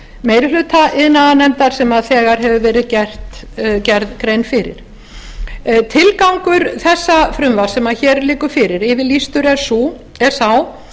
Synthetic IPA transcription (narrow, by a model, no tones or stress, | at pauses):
meːjɾɪlʏːt̪ʰaʔɪðnanɛmt̪aɾ̥sɛmaðθɛːɣaɾ̥ɦɛvʏvɛːɾɪðcɛr̥t̪ | cɛɾðkɾejnfɪɾɪ̰ɾ̥ | t̪ʰɪlkawŋkʏɾθɛsːafɾʏmvḁsɛmaðçɛɾlɪːkʏɾfɪɾɪɾɪvɪlist̪ʏɾɛɾ̥su | ɛɾ̥saw